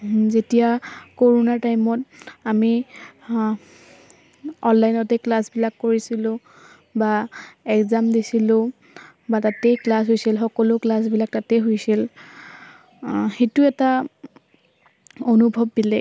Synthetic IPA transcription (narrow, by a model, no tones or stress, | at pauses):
zetijakoɹonatajmɔtami | ɔnlajnɔtɛklasbilakːoɹisilʊ̃ | baɛkzamdisilʊ̃ | batatɛjklasɦojsilxɔkɔlʊklas̬bilak̚tatɛɦojsil | xetuɛta | onubʱɔb̚dilɛ